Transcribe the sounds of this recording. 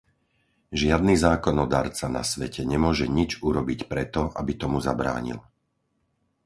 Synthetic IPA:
ʒɪad̪niːzaːkɔnɔd̪aːɾt͡sana̰sʋɛcʰɛɲɛmʊɔʒɛɲid͡ʒuɾɔbicpɾɛt̪ɔʔa̰bit̪ɔmuzabɾa̰ːɲḭl

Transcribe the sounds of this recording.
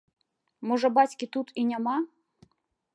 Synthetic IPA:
mɔʐɐbɑtʲkʲit̪ut̪ʰinʲamɑ

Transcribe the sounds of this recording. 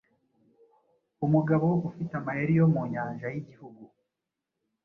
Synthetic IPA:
umuɡaβowufitamajeɾijomuːɲaːnʒajiɟihuɡu

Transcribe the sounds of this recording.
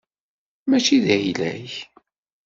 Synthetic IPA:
mæt͡ʃiðæjlæç

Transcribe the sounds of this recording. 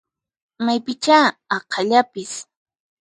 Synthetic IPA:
majpɪt͡ʃaɑqʰɑʎapɪs

